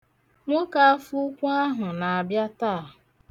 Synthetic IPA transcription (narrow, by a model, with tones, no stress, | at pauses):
ŋʷo˦ka˦a˦fu˦kʷu˦a˦ɦʊ˨na˨a˨bja˦taː˦˨